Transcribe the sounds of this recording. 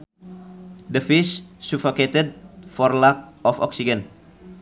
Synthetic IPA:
dəfissufoket̪ɛd̚fɔrlak̚ɔfɔ̰ksiɡən̚

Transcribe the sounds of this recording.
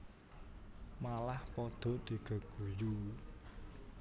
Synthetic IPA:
malahpɔd̪̥ɔ̤d̪̥i̤ɡ̥ə̤ɡ̥uju

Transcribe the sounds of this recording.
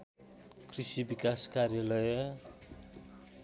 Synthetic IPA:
krisibikaskaɾjʌlʌjʌ

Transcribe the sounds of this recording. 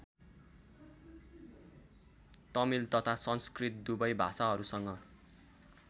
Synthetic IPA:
t̪ʌmilt̪ʌt̪ʰasʌnskrit̪̚d̪ubʌjbʱa̰saɦʌɾusʌŋɡʌ

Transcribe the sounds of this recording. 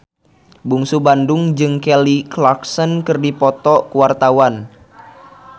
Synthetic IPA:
buŋsubandʊŋd͡ʒɨŋkɛliklaksənkɨrdipɔt̪ɔkuwart̪awan

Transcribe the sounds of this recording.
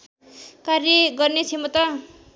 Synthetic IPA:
karjʌɡʌrnet͡sʰemʌt̪ʌ

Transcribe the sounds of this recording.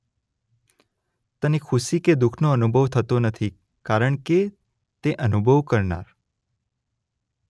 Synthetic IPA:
t̪ənekʰuʃiked̪ukʰnoənubʱəʋt̪ʰət̪onət̪ʰi | kaɾəɳ̃ke | t̪eʔənubʱəʋkəɾna̰ɾ

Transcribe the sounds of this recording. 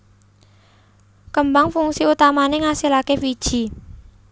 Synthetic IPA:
kəmbaŋfuŋsiut̪amaneŋasilakefid̥ʒ̥i̤

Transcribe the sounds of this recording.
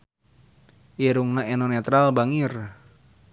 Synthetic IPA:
ʔiɾuŋnaenonɛt̪ɾalbaŋir

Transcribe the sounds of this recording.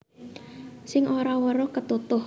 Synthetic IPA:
sɪŋʔoɾawəɾʊkət̪ut̪ʊ

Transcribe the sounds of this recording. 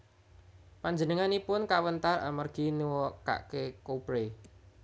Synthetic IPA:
paɲd͡ʒənəŋanipʊnkawənt̪ara̰mərɡ̥i̤niwɔka̰ʔkekopɾe

